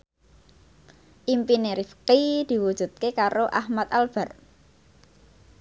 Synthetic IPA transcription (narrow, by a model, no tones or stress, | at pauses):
ʔimpineɾifqid̪̥i̤wu̥ʒ̥ṳd̪̚kekaɾoʔahmat̪alb̥a̤r